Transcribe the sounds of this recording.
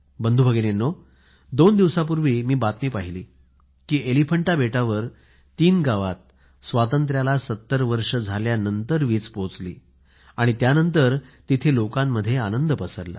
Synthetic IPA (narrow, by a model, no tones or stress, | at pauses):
bənd̪ʱubʱəɡenenːo | d̪ond̪iʋsapuɾʋiːmiːbat̪miːpaɦilḭː | kiːʔelifəɳʈabeʈaʋəɾ | t̪iːnɡaʋat̪̚ | sʋat̪̬ənt̪̬ɾjalasət̪ːəɾʋəɾʂəd͡zʱaljanənt̪əɾʋiːt͡spot͡slḭː | aɽ̃it̪janənt̪̬əɾt̪it̪ʰelokãmːəd̪ʱːjeanənd̪əpəsəɾla̰